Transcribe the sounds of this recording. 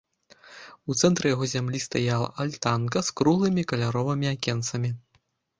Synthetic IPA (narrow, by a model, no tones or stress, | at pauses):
ut̪sɛnt̪ɾɨjaɣɔzʲamlʲist̪ajalˠɐ̰ʔalʲt̪ankɐskɾuɣlˠɨmʲikɐlʲaɾɔvɨmʲiakʲɛnsɐmʲi